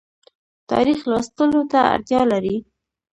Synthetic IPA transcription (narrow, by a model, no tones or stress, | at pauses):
t̪ɑ̰ɾixlɑst̪əlot̪aa̰ɾt̪jɑlaɾi